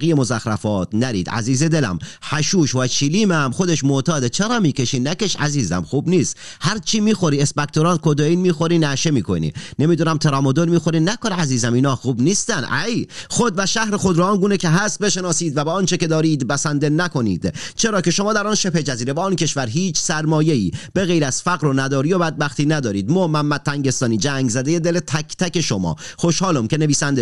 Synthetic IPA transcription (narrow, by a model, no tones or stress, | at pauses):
ijemozæxɾæ̰fɒːt̪næɾḭːd̪æ̰ziːzed̪elæ̰mhæʃuːʃvæt͡ʃʰiliːmæmxod̪eʃmot̪ʰɒːd̪et͡ʃʰeɾɒːmiːkʰeʃinækeʃæ̰ziːzæ̰mxuːbniːst̪hæɾt͡ʃʰiːmiːxo̞ɾiːesbæk̚t̪ʰoɾɒːnkod̪oiːnmiːxoɾiːnæʃemiːkʰo̰nḭnemiːd̪unæmt̪ʰeɾɒːmod̪oɾmiːxoɾinækonæziːzæmiːnɒːxuːbniːst̪ænʔæjχod̪væʃæhɾexo̞d̪ɾɔːnɡuːnecʰeɦæst̪̚be̞ʃe̞nɒːsiːd̪væbeɒːnt͡ʃʰeke̞d̪ɒːɾiːd̪bæsænd̪e̞næko̞nḭːd̪̥t͡ʃʰe̞ɾɒːce̞ʃo̞mɒːd̪æɾɒːnʃe̞pʰe̞d͡ʒæziːɾebɒːncʰe̞ʃvæɾɦiːt͡ʃʰsæɾmɒːjeḭːb̥e̞ɣejɾæz̥fæɣɾonæd̪ɒːɾijobæd̪̚bæxt̪iːnæd̪ɒːɾiːd̪moːmæmːæt̪̚t̪ːʰæŋɟe̞st̪ɒːniːd͡ʒæŋɡzæd̪e̞jed̪elet̪ʰæcʰt̪ʰæke̞ʃo̞mɒ̰ːxo̞ʃhɒːlomcʲe̞ne̞viːsænd̪e